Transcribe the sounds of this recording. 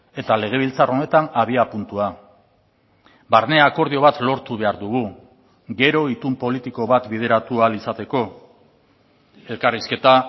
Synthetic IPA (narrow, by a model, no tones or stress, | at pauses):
e̞t̪ale̞ɣ̞e̞β̞ilt͡saro̞ne̞t̪anaβiapunt̪ua | baɾne̞ako̞ɾð̞io̞βat̪lo̞ɾt̪uβ̞e̞aɾðuɣ̞u | ɡe̞ɾo̞it̪umpo̞lit̪iko̞βat̪bið̞e̞ɾat̪ualisat̪e̞ko̞ | e̞lkariske̞t̪a